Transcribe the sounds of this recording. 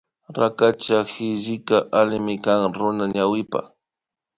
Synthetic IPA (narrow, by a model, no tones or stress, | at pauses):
ɾakat͡ʃaxɪʒɪkaʔalɪmɪkaŋɾʊnaɲawɪpa̰